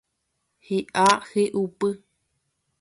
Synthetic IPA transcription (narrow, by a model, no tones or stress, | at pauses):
hiʔaheʔupɨ